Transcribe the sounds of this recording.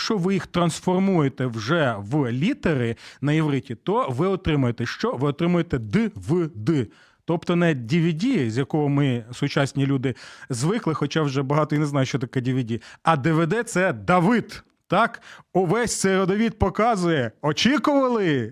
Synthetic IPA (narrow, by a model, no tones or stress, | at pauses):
t͡ʃɔʋɪjixt̪ɾɐnsfɔrmujet̪ɛwʒɛʋlʲit̪eɾɪnɐjɪʋɾɪtʲit̪ɔʋɪɔt̪ɾɪmʊjet̪ɛʃt͡ʃɔʋɪɔt̪ɾɪmʊjet̪ɛd̪ɪʋɪd̪ɪ | t̪ɔp̚t̪ɔnɛdʲiʋʲidʲizʲjɐkɔɦɔmɪsʊt͡ʃɑsʲnʲilʲud̪ɪzʋɪklˠɪxɔt͡ʃɑwʒɛbɐɦɑt̪ɔjineznɑjʊʃt͡ʃɔt̪ɐkɛdʲiʋʲɪdʲiɐd̪ɪʋed̪ɛt̪sɛd̪ɐʋɪd̪ | t̪ɑkʊʋɛsʲt̪sɛɾɔd̪ɔʋʲid̪̚pɔkɑzʊjɛɔt͡ʃikʊʋɐlˠɪ